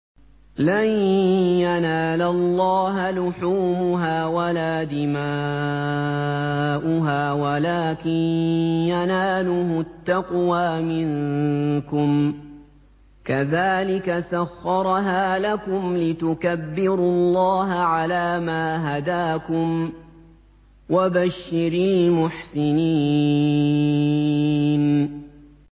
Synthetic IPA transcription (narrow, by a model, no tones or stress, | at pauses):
lanjanaːlalˤːɑːɦalʊħuːmʊɦaːwalaːd̪ɪma | ʔʊɦaːwalaːkɪnjanaːlʊhʊt̪ːɑqwaːmɪŋkʊm | kaðaːlɪkasaxːɑɾˤɦaːlakʊmlɪt̪ʊkabːɪɾʊlːɑːɦaʕalaːmaːɦad̪aːkʊm | wabaʃːɪɾiːmʊħsɪniː | n